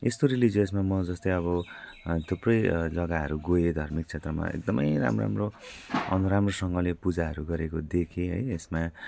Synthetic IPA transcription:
est̪oɾilid͡zoes̬mamʌd͡zʌst̪ʌjʌβʌt̪ʰuprʌjd͡zʌɡaɦʌ̰ɾuɡojed̪ʱʌrmik̚t͡sʰet̪rʌma̰ḛk̚d̪ʌmʌjra̰mro̰a̰mroʌ̰nuɾamrosʌŋɡʌlepud͡zaɦʌɾuɡʌɾekod̪ekʰẽɦʌ̰jesma

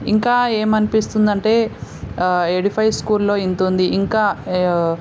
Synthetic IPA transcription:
iŋkaːe̞ːmɐnipist̪und̪ɐɳʈe̞ː | eɽipʰɐjskuːɾllo̞ːint̪und̪iʔiŋkaː

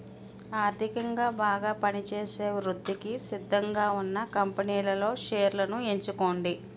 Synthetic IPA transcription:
aːɾd̪ʱikɐŋɡaːbaːɡaːpɐnit͡ʃeːse̞ːʋɾud̪ʱːikisid̪ʱːɐŋɡaːunːɐkɐmpɐniːlɐlo̞ːʃeːɾlɐnue̞ɲt͡ʃuko̞ːɳɖi

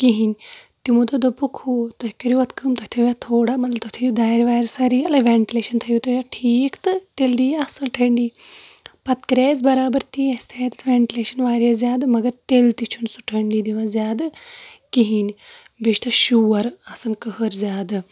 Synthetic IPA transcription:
kiɦinʲt̪imud̪od̪opukʰut̪oɦkʲoɾiʋɐt̪kʰɨmt̪ɐt̪ʰijaːt̪ʰoːɽaːmɐt̪lɐbt̪ot̪ʰɐjud̪aːjɾʋaːjɾɐsɐɾiːɐlɐʋʲeːɳʈileːʃɐnt̪ʰɐjut̪ojaʈʰiːkt̪ɨt̪eld̪iːjaɐsɐnʈʰɐɳɖiːpɐt̪kɾeːzbɐɾaːbɐɾt̪iːɐsʲt̪ʰejt̪ɐt̪ʰʋʲeːɳʈileːʃɐnʋaːɾjɐszjaːd̪ɨmɐɡɐɾt̪elt̪it͡ʃʰunsuʈʰɐɳɖiːd̪iʋazʲjaːd̪ɨkiɦinʲ | beʃt̪ɐʃuːɐɾɐsɨnkəɦəɾzʲaːd̪ɨ

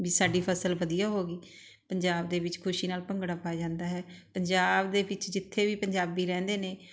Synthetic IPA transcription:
biːsaːɖiːpʰəsəlʋəd̪ijaːɦoːɡiː | pəɲd͡ʒaːbd̪eːʋɪt͡ʃkʰʊʃiːnaːlpəŋɡɽaːpaːd͡ʒãːnd̪aːɦɛːpəɲd͡ʒaːbd̪eːʋɪt͡ʃd͡ʒɪt̪ʰːeːʋiːpəɲd͡ʒaːbiːɾɛ̃ːnd̪eːneː

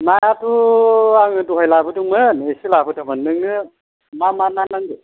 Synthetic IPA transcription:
najatuaŋɯduɦɔjlabɯduŋmɯnesilabɯdabɐnːɯŋnɯ | mamananaŋdɯ

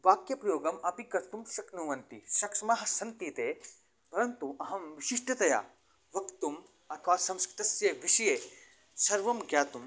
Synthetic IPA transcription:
ʋaːkjɐpɾɐjoːɡɐmɐpikɐɾt̪umʃɐknuːʋɐnt̪iʃɐkʂɐmaːɦɐ̆sɐnt̪iːt̪eː | pɐɾɐnt̪uʔɐɦɐ̃mʋiʃiʂʈɐt̪ɐja̰ː | ʋɐkt̪um | ɐt̪ʰɐʋaːsɐ̃mskɾi̥t̪ɐsjeʋiʃɐjeː | sɐɾʋɐmɡjaːt̪um

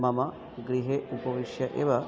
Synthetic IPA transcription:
mɐmɐ | ɡɾiɦeːʔupɐʋiʂjɐʔeːʋɐ

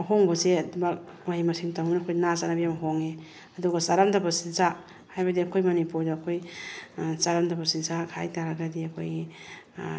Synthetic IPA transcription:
hoŋbɐzeɐdubak̚ | majimɐsiŋtawniɐkʰojnazanabijamɦoŋe | ɐduɡɐsaɾamdɐbɐsinsa | hajbɐdiɐkʰojmɐnipuɾdɐːkʰoj | saɾamdɐbɐsinsakʰa̰jtaɾaɡadiɐkʰojɡi

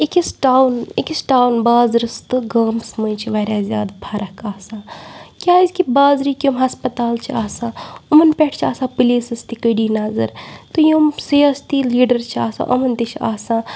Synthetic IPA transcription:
ikisʈaːwnikisʈaːwnbaːzɾɐst̪ɨɡɐːmsməjt͡ʃʰiʋɐːɾʲaːzʲjaːd̪pʰaːɾɐkaːsãːkʲjaːizkibaːzɾikʲjomɦɐspət̪aːlt͡ʃʰiaːsãːumɐnpʲeʈʰt͡ʃʰaːsãːpɨliːsɐst̪ikəɖiːnaːzɐ̰ɾt̪ɨjomsiɐst̪iliːɖɐɾt͡ʃʰia̰ːsã̰ːʔɐmɐnt̪it͡ʃʰa̰ːsãː

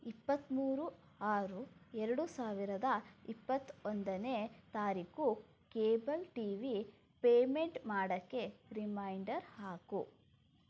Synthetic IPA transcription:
ipːɐt̪ːmuːɾu | aːɾuɛɾɐɽusaːʋiɾɐd̪ɐipːɐt̪ːond̪ɐnet̪aːɾiku | keːbɐlʈiːʋi | peːme̞ɳʈmaːɽɐkːe̞ɾimɐjɳɖɐɾhaːku

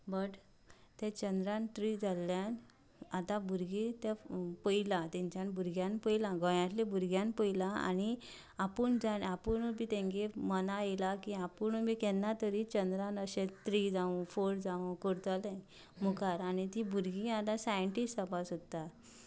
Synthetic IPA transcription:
bəʈ | t̪ẽt͡ɕənd̪ɾãnt̪ɾid͡zalːjan | at̪ãbʱuɾɡit̪epəilat̪ɛ̃ɲt͡ɕanbʱuɾɡjanpəjlãɡɔjãt̪lebʱuɾɡjanpəjlaa̰ni | apuːɳd͡zanapənbiːt̪ẽŋɡemənajelakiapənmikɛlnat̪əɾit͡ɕənd̪ɾãnəɕẽt̪ɾid͡zaũfoɾd͡zaũkəɾt̪alaj | mukaɾanit̪ibuɾɡiat̪ãsajəɳʈisʈapasot̪ːa

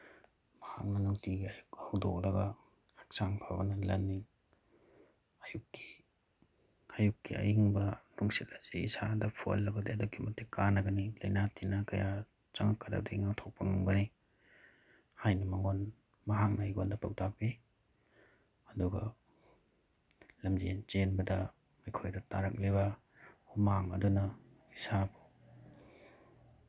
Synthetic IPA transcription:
mɐhak̚nɐnuŋtiɡiajuk̚hawdo̰k̚lɐɡɐ | hak̚saŋpʰabɐnɐlɐnːi | ɐjukːi̥ | ajukːiɐ̰jiŋbɐnuŋsit̚lazeisadɐpʰo̰lːɐɡɐdeɐdokʰːimɐtːekanɐɡɐnilɐjnatʰinakɐja | t͡ʃaŋakːaɾa̰b̚daiŋawtʰok̚pɐnuŋbɐni | hajnimɐŋon | mɐɦak̚naiɡondɐpʰak̚tapi | ɐduɡɐ | lɐmzḛnt͡ʃenbɐdɐ | mijkʰojdɐtaɾɐk̚leβɐ | humaŋɐdunɐ | isabu

